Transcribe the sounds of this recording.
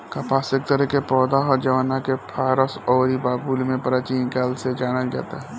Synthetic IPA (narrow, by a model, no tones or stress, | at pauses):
kapaːsek̚t̪əɾɛkepɔːd̪aɦɔɾd͡ʒɐʋanakepʰaːɾəsɔːɾibaːbuːlmẽpəɾaːt͡ʃiːnkaːlsed͡ʒaːɽ̃əld͡ʒa̰ːt̪aɦɛ